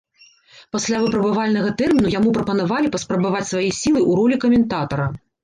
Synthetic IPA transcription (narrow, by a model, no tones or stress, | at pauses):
pasʲlʲavɨpɾɐbɨvalʲnɐɣɐt̪ɛrmʲinujamupɾɐpɐnavalʲipɐspɾɐbavat͡sʲsvajɛsʲilˠɨʔuɾɔlʲikɐmʲɛnt̪at̪ɐɾɐ